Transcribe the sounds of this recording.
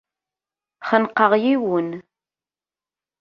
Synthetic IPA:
χənqːəʁjiwən

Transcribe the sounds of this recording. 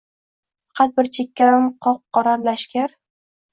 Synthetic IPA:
fɑ̥qʰɑt̪̚bɪɾt͡ʃʰekʲːaɪmqʰɒp̚qːɑɾaɾlaʃkʲaɾ

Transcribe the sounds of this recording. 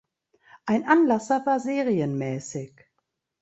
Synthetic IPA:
ʔaɪnʔanlasɐvaːɐzeːʁiənmɛːsɪç

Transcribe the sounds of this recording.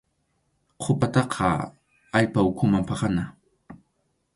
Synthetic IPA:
qʰʊpat̪ɑqʰɑ̰ | aʎpaʊkʰʊmampɑχana

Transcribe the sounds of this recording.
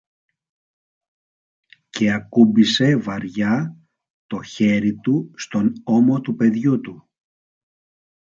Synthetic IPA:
ce̞ɐkubise̞vɐɾʝɐ | t̪o̞çe̞ɾit̪ust̪o̞no̞mo̞t̪upe̞ðʝut̪u

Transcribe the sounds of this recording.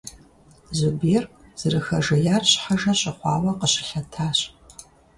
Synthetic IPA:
zubeːrz̥ɨrɨxɐʒɐjaːrɕħaʒɐɕʼɪχʷɑːwɐqəɕɪ̥ɬɐtʰaːɕ

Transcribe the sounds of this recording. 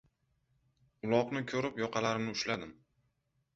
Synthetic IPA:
ʊlˠɒqnɪkʲʰɵɾɪpjɒqʰɑlaɾɪmnɪʊʃlad̪ɪm

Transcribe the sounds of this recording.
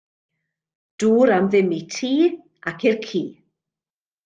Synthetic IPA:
d̥uːɾamðɪmitʰiː | akɪrkʰiː

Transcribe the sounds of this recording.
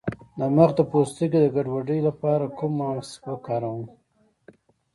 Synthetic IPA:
d̪amaxd̪əpost̪iked̪əɡaɖwaɖəjlapɑɾakumːaspəkɑɾawum

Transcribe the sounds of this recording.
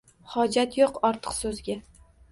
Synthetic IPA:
hɒd͡ʒat̪joqɒɾt̪ʰɨ̥qsɵzɡʲa

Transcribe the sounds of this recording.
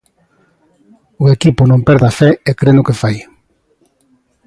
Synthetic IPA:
ʊekipʊnõmpɛɾðafɛekɾenʊkefaj

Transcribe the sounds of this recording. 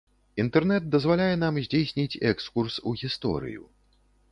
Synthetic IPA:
int̪ɛrnɛd̪̚d̪ɐzvalʲajɛn̪amzʲd͡zʲejsʲnʲit͡sʲɛkskursuɣʲist̪ɔ̰ɾɨ̰jṵ

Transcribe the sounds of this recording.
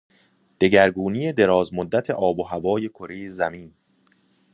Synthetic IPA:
d̪̥e̞ɟæɾɡuːniːjed̪e̞ɾɒːzmod̪ːæt̪ʰe̞̰ʔɒːboɦævɒːje̞kʰoɾiːzæmiːn

